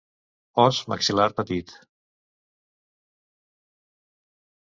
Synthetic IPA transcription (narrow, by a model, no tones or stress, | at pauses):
ɔsmə̰ksilaɾpət̪it̪